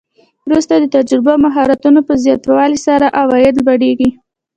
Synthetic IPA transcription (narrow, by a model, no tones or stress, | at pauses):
wɾust̪ad̪ət̪ad͡ʒɾɪbamaɦɑɾat̪unopəzjɑt̪wɑlisaɾaʔawɑjɪd̪baɽeɡi